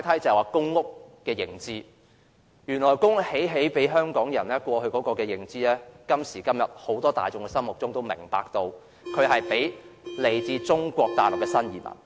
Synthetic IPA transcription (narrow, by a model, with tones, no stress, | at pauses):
jt̪ʰɐ˥jt͡sɐ˨hɛ˨waː˨˩kʊ˥ŋːʊ˥kː | ɛː˧jɪ˨˩ŋt͡siː˥ | jyː˨˩nlɔː˨˩jkʊ˥ŋhe˨˥jɦe˨˥jpe˨˥jɦœː˥ŋkɔː˨˥ŋjɐ˨˩nlɛː˥kʷɔː˧hɵ˧ɥkɔ˨˧˥kɔː˧kɛː˧jɪ˨˩ŋt͡siː˥lɛː˥kɐ˥msiː˨˩kɐ˥mjɐ˨t̚ho˨˥wt̪ɔː˥t̪a̰ː˨jt͡sʊ˨ŋkɛ˧sɐ˥mʊ˨k̚t͡sʊ˥ŋt̪o˥wmɪ̰˨˩ŋpa̰ː˨k̚t̪o˧w | kʰɵ˨˧ɥɦɐ˨jpe˨˥jle˨˩jt͡siː˧t͡sʊ˥ŋkʷɔː˧k̚t̪a̰ː˨˩lʊ˨k̚kɛː˧sɐ˥njiː˨˩mɐ̰˨˩n